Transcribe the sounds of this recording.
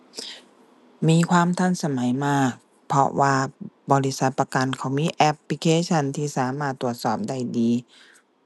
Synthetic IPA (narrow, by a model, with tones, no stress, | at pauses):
miː˧kʰwaː˧˥˨mt̪ʰa˧˥˨nsa˧ma˩˦jmaː˧˩k̚ | pʰɔ̰˧waː˧bɔː˧ɾi˦˥sa˧˦t̪̚pa˧ka˧nkʰa˧˩wmiː˧˥ʔɛ˧p̚li˧kʰeː˧˥t͡ɕʰa˧˩˨nt̪ʰiː˧˩saː˨˦maː˧˩t̪ːu˨˩ət̪̚sɔː˨˩p̚da˧˩jdiː˧